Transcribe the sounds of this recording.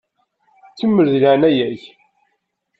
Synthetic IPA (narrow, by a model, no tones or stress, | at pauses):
t͡sːəmːəɾðlaʕnæjæç